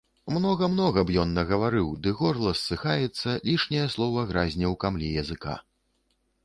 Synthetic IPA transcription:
mnɔɣɐmnɔɣɐbjɔnːɐɣɐvaɾɨwd̪ɨɣɔrlˠɐsːɨxajɛt̪sːɐlʲiʂnʲɐjɐslˠɔvɐɣɾazʲnʲɐwkamlʲijɐzɨka̰

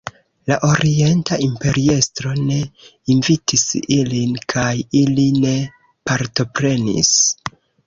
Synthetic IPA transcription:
laʔo̞ɾie̞ntaʔimpe̞ɾie̞stɾo̞ne̞invitisilinkʰajiline̞ | paɾto̞pɾe̞nḭs

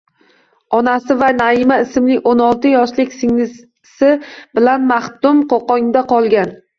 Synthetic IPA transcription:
ɒnasɪvanaɪmaɪsɪmlɪonɒlˠt̪ɪjɒʃlɪkʲsɪŋnɪ | sɪbɪlanmaht̪ʊmqoqɒŋd̪aqʰɒlˠɡʲan

